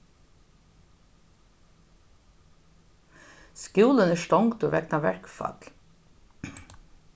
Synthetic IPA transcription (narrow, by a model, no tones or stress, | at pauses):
skjuːlənæʂtɔŋɡt̪ʊʋɛknaʋɛɹkfɑ̰t̪l